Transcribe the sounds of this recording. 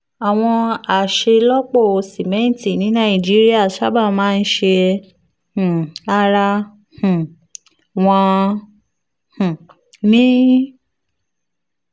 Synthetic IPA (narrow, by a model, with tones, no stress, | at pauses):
a˨w̃ɔ̃˧a˨ʃe˧lɔ˦k͡po˦˨o˧si˨mɛ̃˦n̩˨ti˦˨nĩ˨˦nã˦ĩ˨d͡ʒi˦ɾi˦a˦˨ʃa˦ba˦˨mãː˦n̩˦ʃe˧ | h̩˨a˧ɾa˧ | h̩˨ | w̃ɔ̃˧ | h̩˨ | mĩ˦